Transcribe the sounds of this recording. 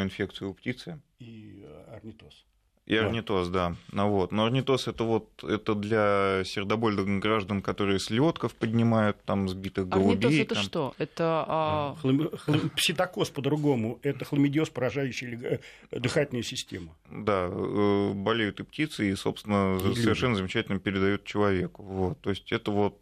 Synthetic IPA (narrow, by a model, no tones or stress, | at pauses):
ɪnfʲe̞k̚t̪sɨjʊptʲit̪sɨ | iɐrnʲɪt̪os | ḭɐrnʲɪt̪o̞sd̪anɐvo̞t̪noɐrnʲɪt̪o̞sɛt̪əvo̞t̪ɛt̪əd̪lʲasʲɪrd̪ɐbo̞lʲd̪əɡɾaʐd̪ənkɐt̪o̞ɾɨjəslʲo̞t̪kəfpədʲnʲɪmajʊt̪ːamzbʲit̪ɨxɡəlˠʊɪb̪ʲoesɛt̪əʂmt̪o̞ɛt̪ə | lˠlˠpsʲɪt̪ɐko̞spəd̪ɾʊɡo̞mʊɛt̪əxlˠəmʲɪdʲɪospəɾɐʐajʉɕːɪjlʲɪ | d̪ɨxatʲlʲnəjəsʲɪsʲtʲemʊ | d̪aəbɐlʲejʊt̪ɨptʲit̪sɨiso̞̰pst̪ʲɪnəsəvʲɪrʂɛnːəzəmʲɪt͡ɕætʲɪlʲnəpʲɪɾʲɪd̪ɐjut̪̚t͡ɕɪlˠɐvʲe̞kʊvo̞t̪ːo̞ɪsʲtʲɛt̪əvo̞t̪̚